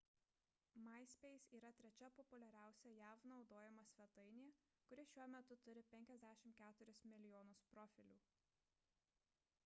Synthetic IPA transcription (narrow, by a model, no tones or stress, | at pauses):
mɐˑɪsʲpʲɛɪsiːɾɐt̪ʲɾʲɛt͡ʃʲɛpɔpʊlʲɛɾʲæˑʊsʲɛjæːʋnɒʊd̪oːjɛmɐsʲʋʲɛt̪ɐɪnʲeː | kʊɾʲɪʃʲuɔmʲɛt̪ʊt̪ʊɾʲɪpʲɛŋʲkʲɛzʲd̪ʲæːʃʲɪmt̪kʲæːt̪ʊɾʲɪsmʲɪlʲɪjɔːnʊspɾɔːfʲɪlʲuː